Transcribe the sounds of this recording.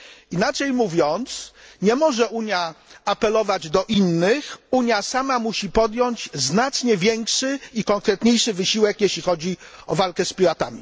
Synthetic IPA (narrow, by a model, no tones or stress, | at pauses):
inat͡ʂɛjmuvʲjɔnt̪sɲɛmɔʐɛʔuɲjaapɛlɔvad͡ʑd̪ɔʔinːɘxuɲjasamamuɕipɔd̪jɔɲd͡ʑznat͡ʂɲɛvʲjɛŋkʂɘikɔŋkɾɛt̪ɲejʂɘvɘɕiwɛkjɛɕlʲixɔd͡ʑiɔvalkɛspʲiɾat̪a̰mʲi